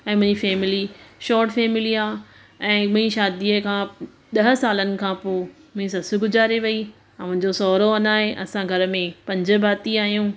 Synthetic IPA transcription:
ɛ̃ːmʊ̃ɦɪ̃ɲd͡ʑifɛːmɪliʃɔːɾʈfɛːmɪliaː | ɛ̃ːmʊ̃ĩʃaːd̪iəkʰãː | ɗ̪ɐɦəsaːlənɪ̆kʰãːpoː | mʊ̃ɦĩsɐsʊ̆ɡʊzaːɾeʋɐi | mʊ̃ɦɪ̃ɲd͡ʑosɔːɾoɐnaːɦeʔɐsãɡʱɐɾə̆mẽpɐ̃ɲd͡ʑə̆bʱaːt̪iaːɦijũː

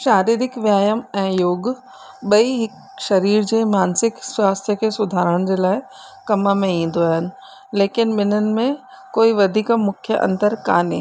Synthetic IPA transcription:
ʃaːɾiːɾɪkʋjaːjəmɛ̃ːjoːɡ | ɓɐiɦɪk | ʃɐɾiːɾd͡ʑeːmaːnsɪkswaːst̪ʰjəkʰeːsʊd̪ʱaːɾəɽ̃d͡ʑeːlaːɪ | kɐməmẽĩːn̆d̪oaːɦɪnɪ̆ | leːkɪnɓɪn̤ənɪ̆mẽ | koːiʋɐd̪ʱiːkmʊkʰjəʔɐ̰̃nd̪əɾka̰ːnḛː

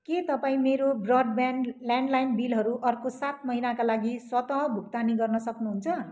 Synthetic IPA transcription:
ket̪ʌpaĩmeɾobrʌɖbanlaɳɖlajnbilɦʌɾuʔʌrkosat̪̚mʌɦilakalaɡiswʌt̪ʌɦʌbʱuk̚t̪aniɡʌrnʌsʌknuɦunt͡sʰʌ

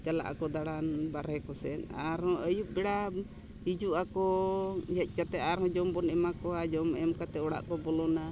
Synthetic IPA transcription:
t͡ʃala̰ʔa̰kɔd̪aɽanbaɾhɛkɔsɛna̰ɾɔəjup̚bɛɽa | id͡ʒuʔakɔjɛc̚ˀkat̪ɛaɾhɔ̃d͡ʒɔmbɔnɛmakɔad͡ʒɔmɛmkat̪ɛɔɽa̰ʔkɔbɔlɔna

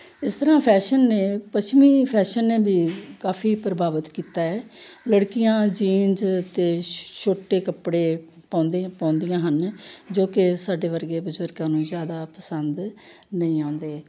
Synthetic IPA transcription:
ɪst̪əɾãːpʰɛːʃənːẽːpət͡ʃmiːpʰɛːʃənːeːbʱiːkaːfʰiːpɾəbaːʋət̪kiːt̪aːɛːləɽkɪjãːd͡ʒiːnd͡ʒt̪eːʃoːʈːeːkəpɽeː | pãːnd̪pãːnd̪ijãːɦənd͡ʒoːkɪsaːɖeːʋəɾɡeːbʊzəɾɡãːnũːzjaːd̪aːpəsənd̪ | nəĩːãːnd̪eː

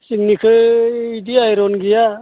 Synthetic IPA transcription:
siŋnikʰɯidiajɾɔnɡija

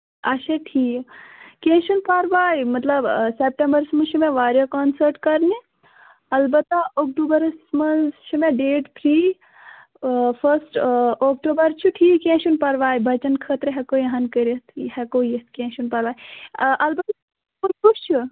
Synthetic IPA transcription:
ɐʃeʈʰiːkkẽʃunpɐɾʋaːjmɐt̪lɐbsep̚ʈẽmbɐɾsmɐʃʰimẽʋaːɾjokɔːnsəɾʈkɐɾni | ɐlbɐt̪ːaok̚ʈuːbɐɾsmɐnst͡ʃʰimẽɖeːʈpʰɾiː | pʰɐɾsʈoːkʈoːbɐɾt͡ʃʰuʈʰiːkẽːʃunpɐɾʋaːjibʱɐt͡ʃɐnkʰət̪ɾɦɛkoːjɐɦankəɾet̪ʰhɛkoːijest̪kẽʃunpɐɾʋaːjʔɐlbɐt̪a | kuput͡ʃʰu

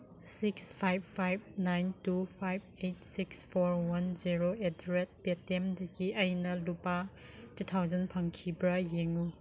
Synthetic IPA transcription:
sikspʰajb̚ʰːajb̚najntupʰajb̚ejt̚sikspʰoɾwɐnd͡ʒiɾoetɾet̚petemdɐɡiʔɐjnɐlupa | tutʰawzɐnpʰɐŋkʰibɾɐjeŋu

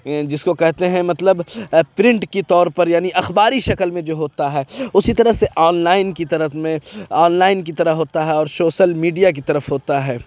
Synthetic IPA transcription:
d͡ʒɪskokɛɦt̪eɦɛ̃mɐt̪ləbpɾɪ̃ɳʈkit̪ɔːɾpɐɾjaːniʔɐxbaːɾiʃɐkəlmẽd͡ʒoːɦoːt̪aɦɛːʊsit̪ɐɾəɦseʔɔːnlaːɪnkit̪ɐɾəmẽɔːnlaːɪnk̬it̪ɐɾəɦɦoːt̪aɦɛɔːɾsoːʃəlmiːɖijak̬it̪ɐɾəfɦoːt̪aɦɛː

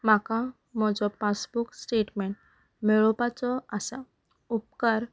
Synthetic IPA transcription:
m̤aka | m̤ɔd͡zɔpasbuksʈeʈmɛɳʈ | meɭɔpat͡sɔasa | up̚kaɾ

